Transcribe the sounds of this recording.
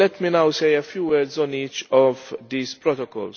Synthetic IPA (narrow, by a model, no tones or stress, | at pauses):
lɛt̪minawsejɐfjuːwɛɾdzɔniːt͡ʃɔvd̪iːzpɾɔt̪ɔkɔ̰ls